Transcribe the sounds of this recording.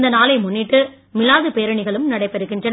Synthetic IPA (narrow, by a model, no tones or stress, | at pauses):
nd̪ɐnaːlɐɪmʊnːɪʈːɯ | mɪlaːðɯpeːɾɐɳɪɣɐɭɯmnɐɽɐɪpːɛɾɯɣːɪndrɐn